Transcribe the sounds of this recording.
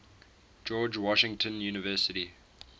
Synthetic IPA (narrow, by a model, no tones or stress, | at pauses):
d͡ʒɔːd͡ʒwɔʃɪ̃ŋtʰə̃njuːnɪvɜːˑsəti